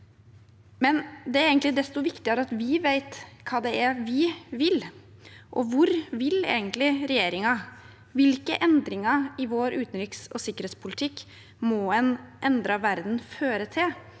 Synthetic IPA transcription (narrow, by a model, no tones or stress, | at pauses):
mɛnd̪ɛæɾeːɡənt̪lɪd̪ɛst̪ɔʋɪkt̪ɪəɾɑt̪ʋɪʋeɪt̪kʰɑːd̪ɛæɾʋɪʋɪl | ʔɔ̰ʋʊɾʋɪlḛːɡənt̪lɪɾɛjeːɾɪŋɑ | ʋɪlkəʔɛnd̪ɾɪŋɑɪʋoːɾʉːt̪n̩ɾɪksɔsɪkːəɾheːt̪spʰʊlɪt̪ʰɪkː | mɔɛnʔɛnd̪ɾɑʋæɾd̪n̩føːɾət̪ʰɪl